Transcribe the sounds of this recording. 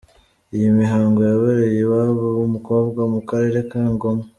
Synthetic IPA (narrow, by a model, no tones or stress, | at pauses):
ijimiɦaːŋɡo̞jaβeɾejeβaβowumuko̞bɡwamukaɾe̞ɾekaːŋɡo̞ma